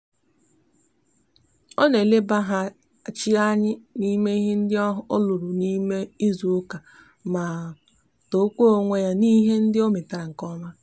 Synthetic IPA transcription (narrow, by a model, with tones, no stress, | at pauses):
ɔ˦ne˨le˦ba˦ɦa˦˨ | t͡ʃi˦a˦ɲɪ˦ni˦me˦i˦ɦe˦n̩˦dɪ˦ɔ˦ɦo˦lʊ˨ɾu˨ni˦me˦i˦zu˨ʊ˦ka˨ | ma˨ | to˨˦kʷo˦o˦ŋʷe˦ja˦ni˦ɦe˦n̩˦dɪ˦o˦me˨ta˨ɾa˨ŋ̩˨kɔ˦ma˦